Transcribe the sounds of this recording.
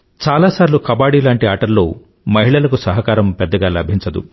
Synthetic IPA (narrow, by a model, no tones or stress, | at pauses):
t͡ʃaːlaːsaːɾilukɐbaːɽiːlaːɳʈiaːʈɐɾloː | mɐɦiɭɐlɐkusɐɦɐkaːɾɐmpɛd̪ːɐɡaːlɐbʱiɲt͡ʃɐd̪ṵ